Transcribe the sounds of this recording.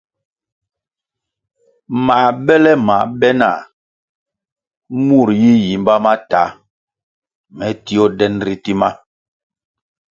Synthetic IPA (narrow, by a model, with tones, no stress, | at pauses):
ma˨bɛ˦lɛ˦ma˨bɛ˦na̰˨ | mu˦˨ɾji˦ji˨mba˦ma˦ta˨˦ | mɛ˨˦ti˦ɔ˦dɛ˦nɾi˦ti˦ma˦